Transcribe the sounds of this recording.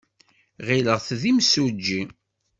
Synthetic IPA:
ʁiləʁθðimsud͡ʒːi

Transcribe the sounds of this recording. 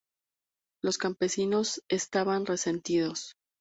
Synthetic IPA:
lo̞skampe̞sino̞se̞st̪aβanre̞se̞nt̪iðo̞s

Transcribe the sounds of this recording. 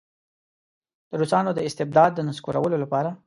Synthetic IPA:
d̪̥əɾusɑnod̪əɪst̪ɪb̚d̪ɑd̪ːənaskoɾawəlolapɑɾa

